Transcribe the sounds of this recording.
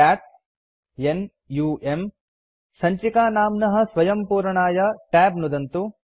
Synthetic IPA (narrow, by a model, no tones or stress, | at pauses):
aːʈ̚ | en | juːʔem | sɐɲt͡ʃikaːnaːmnɐɦɐ̆sʋɐjɐmpuːɾɐɳaːjɐʈæːbnud̪ɐnt̪u